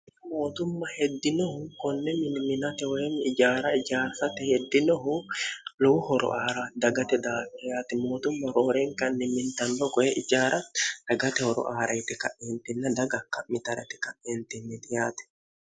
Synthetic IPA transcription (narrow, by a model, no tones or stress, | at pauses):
ɪɐmoːt̪ʊmːɐhɛd̪ːɪnɔhʊkɔnːɛmɪnmɪnɐt̪ɛwɔjɛnɪd͡ʒaːɾɐɪd͡ʒaːɾsɐt̪ɛhɛd̪ːɪnɔɦʊlɔwʊhɔɾɔ̰ʔaːɾɐd̪ɐɡɐt̪ɛd̪aːkːɛjaːt̪ɛmoːt̪ʊmːɐɾoːɾɛŋkɐnːɛmɪnt̪ɐnd̪ɔkɔjɛʔɪd͡ʒaːɾʔɐd̪̥ɐɡɐt̪ɛhɔɾɔ̰ʔaːɾɐjt̪ɛkɐ̰ʔeːnt̪ɪnːɐd̪ɐɡɐkːɐmɪt̪ɐɾɛ̰t̪ɛ̥kɐʔeːnt̪ɪnːɛt̪ɪjaːt̪ɛ̥